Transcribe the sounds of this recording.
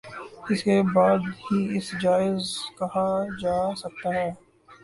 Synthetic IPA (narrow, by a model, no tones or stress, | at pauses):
ɪskebaːd̪ɦiɪsd͡ʒaːɪzkɐɦad͡ʒaːsɐk̚t̪aɦɛː